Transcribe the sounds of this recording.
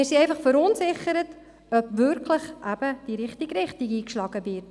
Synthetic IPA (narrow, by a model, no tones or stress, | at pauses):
ɛsiɛjnfɐχfəɾɔnsɪχəɾət | ɔpvɵrkləχʔæbəd̥iɾɪχtikrɪχtiɡiːkʃlɑkəvirt